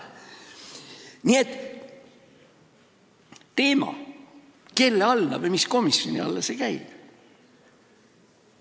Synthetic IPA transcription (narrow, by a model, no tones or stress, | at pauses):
nie̞t̪ːˑ | t̪e̞ːmɑ̰ | ke̞lːeɑlnɑvɤjmisko̞misjo̞̰nḭɑ̰lːɑsekæjb̥